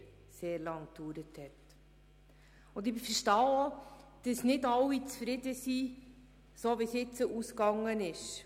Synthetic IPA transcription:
seːɾlɑŋk̚d̥uːɾəthɛt | ʊndɪbɪfəɾʃtɑːod̥əsnɪdɑwːit͡sfɾɪdəsi | soːʋisɪt͡səʔuskɑŋːənɪʃ

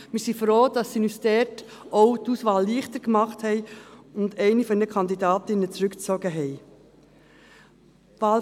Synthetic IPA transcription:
mɪɾsifɾoːd̥ɑsːinystɛt | ʔoʊtuːsʋɑːlːiːχtəɾkmɑχthɛɪʊndɛɪnifɔnɛnəkʰɑndidɑːtɪnət͡sɾʉkt͡sɔɡəɦɛɪ | ʋɑːl

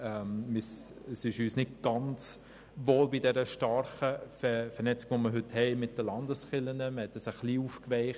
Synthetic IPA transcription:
ɛmmɪsəsɪʃyːsnɪtɡ̥ɑnt͡s | ʋoːlbidɛɾəʃtɑɾχəfɛfɛɾnɛt͡sɪɡ̥ʋoməɦʏthɛɪmɪt̚d̥əlɑndəsχɪlənəməhɛtːəsəχliːufkʋɛɪχ

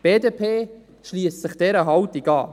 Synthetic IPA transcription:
b̥eːdepʰeː | ʃliːəssəχd̥ɛɾəɦɑwt̪iɡɑ̰ː

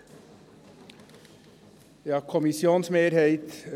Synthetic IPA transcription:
jɑːkʰʊmɪsɪuːnsmeːɾheɪt̪

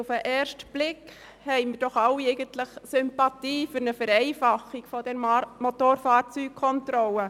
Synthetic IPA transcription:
ufəʔɛːrʃtb̥lɪk | hɛɪməd̥ɔχɑwɛɪɡəntləχsʏmpɑtiːfʏɾnəfɛɾɛɪfɑχːiɡ̥fɔd̥ɛnmotoːɾfɑːrt͡syːk̚kʰɔntɾɔlə

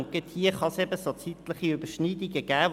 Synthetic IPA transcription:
ŋkəthiəχɑsɛbəsot͡sit̪ləχiʉbəʃniːdiɡəɡ̥æːʋ

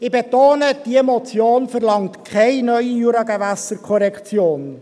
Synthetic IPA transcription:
ɪbetoːnəd̥imɔt͡sjoːnfəɾlɑŋtkʰɛɪnœʏijuɾɑɡɛvæsəɾkʰɔɾɛkt͡sjoːn

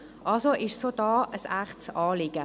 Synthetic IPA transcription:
ʔɑlsoʔɪʃsod̥ɑːəsæχtsɑːlɪɡ̥ə

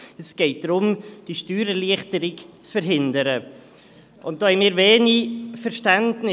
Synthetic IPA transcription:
ɛsɡ̥ɛɪt̚d̥ɾʊmd̥iːʃtyːɾəliəχtəɾɪkt͡sfəɾɦɪndəɾə | ʊnt̚d̥oːhɛnmiːɾveːnifəɾʃtɛndnɪ

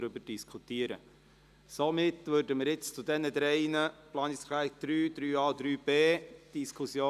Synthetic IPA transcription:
ɾʏbəɾd̥iskʰut̪iəɾə̰ | somɪtːʋøːɾdəməɾɪt͡st͡sud̪ɛnəd̪ɾɛɪnəplɑːnɪskʰlaɪkd̪̥ɾyːd̥̪ɾyːɑːdɾyːb̥eːd̥iskʰusjoː

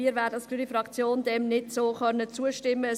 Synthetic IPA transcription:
iːəɾvæːɾdəskyːɾifɾɑkt͡sjoːndɛmnɪdsoːχœnːət͡suəʃtɪmːə

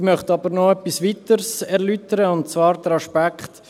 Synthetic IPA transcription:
mœχtɑbəɾnɔɛpːisʋit̪əɾsɛɾlytəɾəʊnt̚t͡svɑːɾd̪ɾɑʃpækχt̪

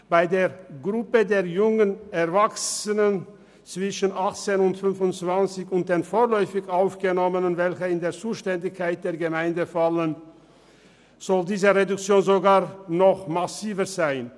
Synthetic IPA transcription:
b̥aɪdeːɐɡʁʊpədeːɐjʊŋənɛɐvaksənən | t͡sv̥ɪʃən̩ʔaχt͡seːnʊntfʏnfʊnt͡sv̥ant͡sɪçʊnt̚d̥eːnfoːʁlɔʏfɪçʔaʊfɡ̥ənɔmənənvɛlçəɪndeːɐt͡suːʃtɛndɪçkʰːaɪt̚d̥eːɐɡəmaɪndəfalən | z̥ɔldiːzəʁedʊkt͡sjoːnzoɡaːʁnɔχmasiːvəzaɪn

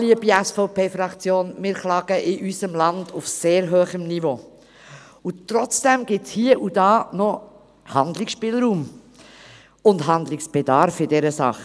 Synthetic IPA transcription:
liəbiæsfɔʊpeːfɾɑkt͡sjoːnmɪːɾχlɑːɡ̥əʔɪʔysəmlɑnd̥ufseːɾɦøːχəmnivo | ʊtɾɔt͡sd̥ɛmɡ̥ɪtt͡shiəʔudɑːnɔ | hɑndlɪksʃpɪlɾuːm | ʊndɦɑnd̪lɪksb̥edɑɾfɪdɛɾəsɑ̰χ

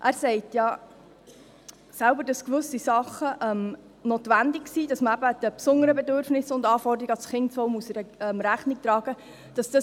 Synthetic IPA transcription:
ʔæːɾsɛɪtjɑ | sælbəɾd̥ɑskʋɵsisɑχəʔɛm | noːt̪ʋændɪksiːd̥ɑsməæbəd̥əpsʊnəɾəbɛdøɾfnɪsʊndɑːfɔrɾdɾiɡəɑsχɪntt͡sɔlmuəsəɾəɛmɾæχnɪk̚t̪ɾɑːɡ̥ə | d̥ɑsd̥ɑs

